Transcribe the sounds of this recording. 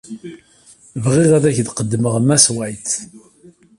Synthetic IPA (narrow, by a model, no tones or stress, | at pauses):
vʁɪðæðæçd̪qəd̪ːəməʁəmːæswæjθ